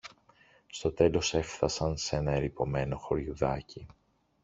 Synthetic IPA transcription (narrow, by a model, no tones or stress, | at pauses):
st̪o̞t̪e̞lo̞se̞fθɐsɐnse̞nɐeɾipo̞me̞no̞xo̞ɾʝuðɐci